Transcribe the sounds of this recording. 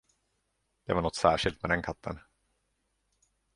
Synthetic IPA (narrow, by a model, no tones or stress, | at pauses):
d̪̥ɛvaɳɔt̪ːsæːʂɪlt̪̚mɛd̪ɛnkʰat̪ʰːə̰n